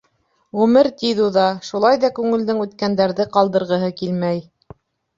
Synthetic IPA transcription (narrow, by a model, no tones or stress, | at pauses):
ʁʉmɘɾt̪iðuðɑʃulˠɑjðɑkʉŋɘ̆ld̪ɘŋʉt̪kænd̪æɾðɘqɑlˠd̪ɤ̆ɾʁɤ̆ɦɤkilmæj